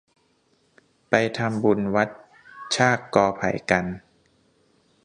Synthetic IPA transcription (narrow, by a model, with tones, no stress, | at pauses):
pa˧jt̪ʰa˧mbu˧nwa˦˥t̪̚ | t͡ɕʰaː˥˩kːɔː˧pʰa̰˨˩˦jka˧n